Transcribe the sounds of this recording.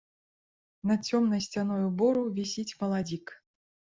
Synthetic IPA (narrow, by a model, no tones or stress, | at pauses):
nɐt͡sʲɔmnɐjsʲt͡sʲanɔjubɔɾuvʲisʲit͡sʲmɐlˠad͡zʲik